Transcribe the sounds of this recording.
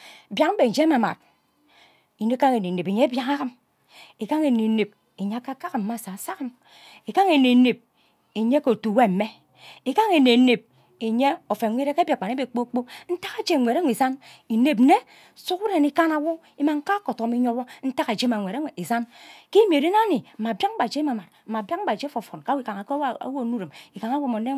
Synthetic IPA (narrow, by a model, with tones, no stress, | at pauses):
bja˨km̩˦be˨n̩˨d͡ʒe˦ma˨ma̰˨t̚ | i˨ne˦ka˦ŋe˨ne˨ne˨pe˨ɲe˦bja˨ŋa˦ɣa˦m | e˨ka˦ŋe˨ne˨˦ne˨p̚ | e˨ɲe˦a˦ka˦ka˦kɨ˨m̩˦ma˦˨sa˨sa˦ɣa˦m | e˨ka˦ŋe˨ne˨˦ne˨p̚ | e˨ɲe˦ko˨tu˨we˦m̩˨˦me˦ | i˨ka˦ŋe˨ne˨˦ne˨p̚ | e˨ɲe˦o˨fe˨ŋʷe˦ɾe˦ke˦bja˨k͡pa˨ne˦be˨k͡po˦k͡po˦n̩˦ta˦ka˨d͡ʒe˦˨ŋʷ˨e˨ɾŋʷe˨za˦n | i˨ne˨p̩̚˦ne˦ | su˦ku˦ɾe˨ni˦ka˦na˦wo˦ | i˦ma˨ŋ̩˦ka˦ko˨to˨˦mi˦ɲo˦bo˦n̩˦ta˦ka˨d͡ʒe˦ma˨ŋʷe˨ɾe˦˨i˨za˦nki˦me˨ɾe˦na˦ni˨ma˨bja˦k̚ba˨d͡ʒe˦ma˨ma˨t̩˨ma˨ba˦ba˨d͡ʒe˦fo˨fo˨nka˦wi˦ka˨ŋa˨ka̰˦wo˦˨nu˦ɾi˨mi˨ka˨ŋa˦wo˦mo˨˦ne˦